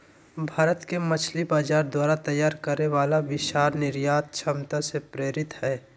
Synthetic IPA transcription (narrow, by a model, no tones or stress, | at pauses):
bʱaːɾət̪kemɐt͡ʃʰlibaːd͡ʒaːɾd̪waːɾat̪ɐjːaːɾkəɾneʋaːlabɪʃaːɾnɪɾjaːt̪̚t͡ʃʰɐmt̪asepɾeːɾɪt̪hɛː